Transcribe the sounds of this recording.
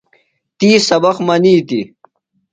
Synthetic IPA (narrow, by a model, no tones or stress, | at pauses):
t̪iːsɐbɐχmɐniːt̪ḭ